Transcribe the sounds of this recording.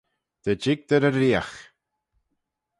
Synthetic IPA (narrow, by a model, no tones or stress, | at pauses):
d̪̥əd͡ʒɪɡ̚d̪əɾəɾːiːax